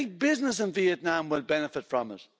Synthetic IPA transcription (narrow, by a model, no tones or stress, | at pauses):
b̥ɪznəs̬ə̃nviɨtⁿnãmwɪlˠbɛnəfɨtfɹə̃mʌ̰s